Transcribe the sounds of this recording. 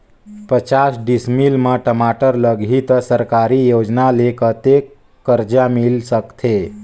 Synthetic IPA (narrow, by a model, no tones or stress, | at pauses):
pət͡ʃasɖismilmãʈəmaʈəɾləɡʱit̪səɾkaɾijoːd͡ʒnalekət̪ekː | əɾd͡ʒamilsəkt̪ʰe